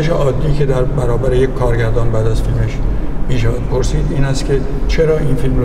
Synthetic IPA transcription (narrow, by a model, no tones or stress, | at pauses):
eʃeʔɒːd̪ːiːcʰe̞d̪æɾbæɾɒːbæɾejekʰʲkʰɒːɾɟæɾd̪ɒːnbæːd̪æzfilme̞ʃmiːʃææd̪̥pʰo̞ɾsiːd̪iːnæst̪kʲʰe̞ | t͡ʃʰe̞ɾɒːʔiːnfilmɾ